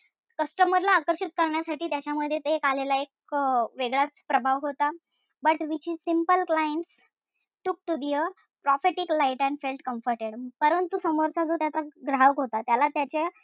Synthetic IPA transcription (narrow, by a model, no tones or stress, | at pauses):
kəsʈəməɾlaːkəɾɕit̪̚kəɾɳjasaʈiːt̪jat͡ɕaməd̪ʱːjet̪eekalelaek̚ | ʋeɡɭat͡spɾəbʱaʋɦot̪a | bəʈʋit͡ɕiːsimpəlklajeɳʈs | ʈuk̚ʈubiːə | pɾɔfeʈiklaiʈɛ̃ɳɖfelʈkəmfəɾʈeɽpəɾənt̪usəməɾsad͡zot̪jat͡saɡɾaʋəkɦot̪at̪jalat̪jat͡ɕa